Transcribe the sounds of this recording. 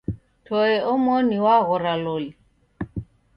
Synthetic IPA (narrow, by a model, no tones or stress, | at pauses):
tʰɔɛɔmɔniwaɣʊɾaloli